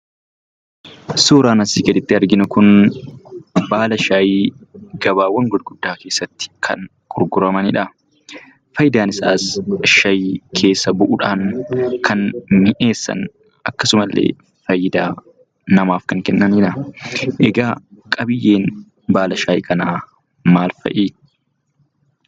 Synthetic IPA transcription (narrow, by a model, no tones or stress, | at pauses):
soːɾaːnɐsiːɡɐd̪ɪt̪ːɪɐɾɡɪnʊkʊn | baːlɐʃaːjiɡɐbaːwːɐŋɡʊd̪ɡʊd̪ːaːke̞ːsːɐt̪ːɪ̥kʰɐ̰n | kʼʊɾɡʊɾɐmɐnɪᶑɐ | fɐjɪd̪aːnɪsaːsɐʃɐjkʰe̞ːsːɐbʊʔʊᶑaːnkʰɐnmɪʔe̞ːsːɐ̰n | ɐkːɐsʊmɐlːḛː | fɐjːɪd̪aː | nɐmaːfkɐŋkɛnːɐniːᶑɐʔɛɡaːkʼɐbɪjːe̞ːn | baːlɐʃaːj̰kʰɐnaː | maːlfɐ̰ʔiː